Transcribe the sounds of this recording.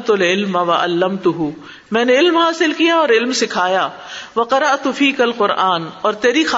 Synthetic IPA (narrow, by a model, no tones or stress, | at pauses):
t̪ʊlɪlmɐʋɐʔɐ̰lːɐmt̪ʊɦʊ | mɛ̃ːneɪlmɦaːsɪlkijaɔːɾɪlmsɪkʰaːjaː | ʋɐqɑɾɐʔt̪ʊfiːkɐlqʊɾʔaːnɔːɾt̪eːɾix